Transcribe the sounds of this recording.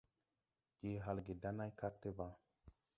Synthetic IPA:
d͡ʒ̥e˨ɦa˨lɡe˨da˦na˦jka˦tːe˦ba˨

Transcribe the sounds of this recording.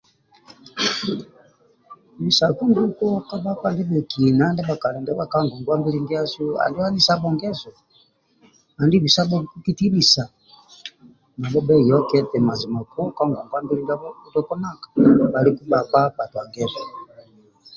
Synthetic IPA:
mi˨sa˨ku˦ŋɡu˦kɔ˦ka˦ba˦pa˨ndɛ˦bɛ˨kʰi˨na˨˦ndɛ˦ba˨ka˨lɛ˨ndɛ˦ba˦ka˦ŋɡɔ˨ŋɡwa˦mbi˦li˦ŋɡi˦a˦su˦a̰˨ndi˦wa˦ni˦sa˦bɔ˨ŋɡɛ˦zɔ˨ | a˨ndi˦bi˨sa˦bɔ˦i˨ku˦ki˦ti˦li˨sa˨ | na˨bɔ˦bɛ˦jɔ˦kɛ˦tɛ˨ma˨zi˨ma˨ku˦ka˦ŋɡɔ˨ŋɡwa˦mbi˦i˦ŋɡa˦bɔ˦u˦tɔ˦kɔ˦na˦kḁ˨ba˨li˦ku˦ba˨pa˦ba˨twa˨ɡɛ˦zɔ˨

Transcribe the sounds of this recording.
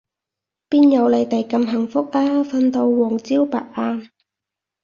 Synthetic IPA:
piː˥njɐ˨˧wle˨˧jt̪ɐ˨˩jkɐ˧mɦɐ˨˩ŋfʊ˥k̚ʔaː˥fɐ˧nt̪o˧wːɔː˨˩ŋt͡siː˥wpa̰ː˨˩t̚ʔaː˧

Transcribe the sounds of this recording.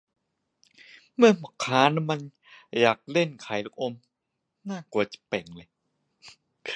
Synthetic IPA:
mɯ˥˩ɐmɔ˨˩˦kʰaː˨˦˥na˧˦ma˧n | jaː˨˩k̚le˥˩nkʰa˨˩˦jlk̚ʔo˧m | naː˥˩ku˨˩ət͡ɕḁ˨˩˦pe˨˩ŋlɤ˧j

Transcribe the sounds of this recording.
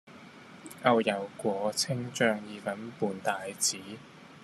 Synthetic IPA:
ʔɐ˧wjɐ˨˩wkʷɔː˨˧t͡sʰɪ˥ŋt͡ʃœː˧ŋjiː˨˧fɐ˨˥npuː˨nt̪aː˨˧jt͡siː˨˥

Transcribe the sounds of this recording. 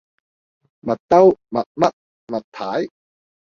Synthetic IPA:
mɐ˨˩t̪ːa˦˥wma˨t̪̚ma˦t̪̚ | mɐ˨˩t̪ʰːaː˨˦˥j

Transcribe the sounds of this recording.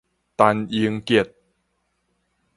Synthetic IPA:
t̪a˧ni˧əŋki˧˩t̪̚

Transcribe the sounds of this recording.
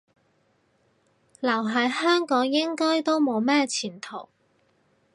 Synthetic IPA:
lɐ˨˩wɦɐ˨˥jhœː˥ŋkɔː˨˥ŋjɪ˥ŋkɔː˥jt̪o˥wmo˨˧wmɛː˥t͡sʰiː˨˩nt̪ʰo˨˩w

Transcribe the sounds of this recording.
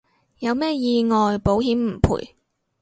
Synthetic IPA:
jɐ˨˧wmɛː˥˩jiː˧ŋɔː˨jpo˨˥whiː˨˥mm̩˨˩pʰṵː˨˩j

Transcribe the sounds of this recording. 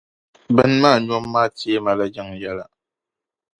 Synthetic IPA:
bɛ˦nmaː˦˨ɲ˦ɔ˦mːaː˦teː˦ma˦la˦d͡ʒɛ˦ŋja˦la˨

